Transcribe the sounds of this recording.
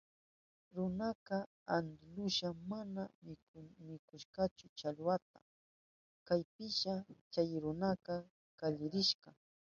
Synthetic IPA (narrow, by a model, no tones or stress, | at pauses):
ɾʊnaqɑ | and̪lʊʃamanamɪkʊmɪkʊʃqɑt͡ʃʊt͡ʃalwat̪a̰ | kajpɪʃat͡ʃajɾʊnaqɑ | kaʎɪɾɪʃɢɑ